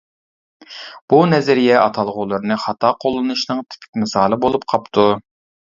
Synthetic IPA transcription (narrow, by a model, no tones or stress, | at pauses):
b̥unɛzɛɾijɛʔɑt̪ʰɑlˠʁʊlˠɨɾnɨχɑt̪ʰɑːqʰolˠːɨnuʃnɨŋt̪ʰi̥pʰi̥kʲmɨsɑːlˠɨbolˠup̚qʰɑpt̪ʰu